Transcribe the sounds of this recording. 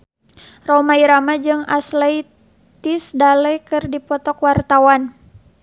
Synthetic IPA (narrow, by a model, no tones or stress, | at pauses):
rɔmaiɾamad͡ʒɨŋaslaj | t̪isdalɛjkɨrdipɔt̪ɔkwart̪awan